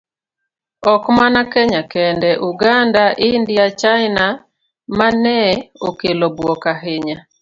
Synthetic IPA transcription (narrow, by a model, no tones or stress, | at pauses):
ɔkmanakɛɲakɛndɛʔuɡandaʔindiat͡ʃaɪna | manɛokelobwɔkaɦɪɲa